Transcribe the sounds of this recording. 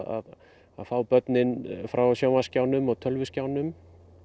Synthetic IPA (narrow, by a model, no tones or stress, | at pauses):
a̰ð | a̰ðfawpœt̪nɪnfɾawsjawmascaːwnʏmɔɣt̪ʰœlvʏɪscaːwnʏm